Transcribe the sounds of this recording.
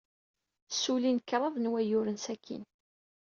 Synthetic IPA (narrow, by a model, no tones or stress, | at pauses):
sːulinkːɾˤɑðˤnwæjʊɾənsækʰːḭn